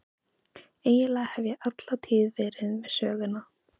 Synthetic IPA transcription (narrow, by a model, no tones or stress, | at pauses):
eːjɪlaːhɛvjɛʔat̪lat̪ʰiːðvɛːɾɪðmɛðsœːɣʏnːa